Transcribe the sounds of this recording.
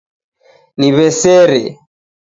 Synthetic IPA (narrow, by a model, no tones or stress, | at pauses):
niβɛsɛɾɛ̰